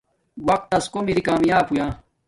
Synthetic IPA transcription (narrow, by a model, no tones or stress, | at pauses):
wɐk̚t̪ɐskomiɾikaːmijaːpujãː